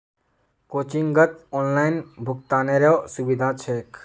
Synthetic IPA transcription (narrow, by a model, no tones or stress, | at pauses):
koːt͡ʃiŋɡɡət̪ɔːnlaːɪnbʱʊkt̪aːneɾeosubid̪ʱãt͡ʃʰeːk